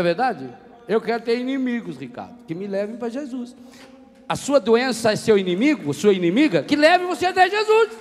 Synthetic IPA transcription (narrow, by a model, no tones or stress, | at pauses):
ɐveɾd̪ad͡ʒɪ | ewkɛɾʊt̪eɾinĩmiɡʊsʁika̰ɾd̪ʊkɪmɪlɛvẽj̃pɾɐʒezus | ɐsuɐd̪oẽsɐsewinĩmiɡʊɐsuɐinẽmiɡɐkɪlɛvɪvoseɐt̪ɛʒezus